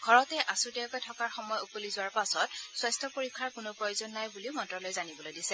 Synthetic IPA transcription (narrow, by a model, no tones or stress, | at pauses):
ɡʱɔɹɔtɛʔasutɛkɔjtʰɔkaɹxɔmɔjupolizʊwaɹpasɔtswajstʰɔpoɹikʰːaɹkʊnopɹɔjozɔnːajbuliʊmɔntɹɔlojzanibɔlojdisɛ